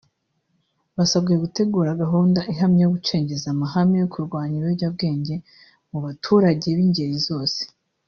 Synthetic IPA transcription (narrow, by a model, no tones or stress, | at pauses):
βasabɡujeɡute̞ɡuːɾaɡaɦuːndaʔiɦamɲejoɡut͡ʃe̞ːɲɟe̞zamahamijokʰuɾɡwaːɲiɾeɟab̚ɡe̞ːɲɟe̞ | muβatʰuːɾaɟe̞βiɲɟe̞ɾizo̞ːse̥